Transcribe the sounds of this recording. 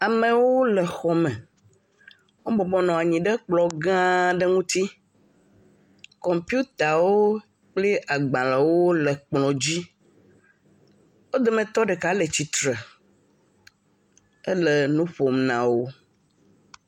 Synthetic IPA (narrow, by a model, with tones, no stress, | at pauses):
a˨mẽ˨wo˦lə˨xɔ˨mɛ̃˨ | wo˦bɔ˨bɔ˦nɔ̃˨a˨ɲĩ˨ɖɛ˦k͡plɔ˨ɡã˦ɖə˦ŋũ˦t̪i˦ | kɔ˨mpi˦u˦t̪a˨wo˦ | k͡ple˦ʔa˨ɡ͡bã˨le˨wo˦lə˨k͡plɔ̃˨d͡ʑi˦ | wo˦d̪e˨mɛ̃˨t̪ɔ˦ɖɛ˨ka˨˦lə˨t͡ɕi˨t̪ɾə˨ | ə˦lə˨nũ˦ɸo˨mnã̰˨wo˦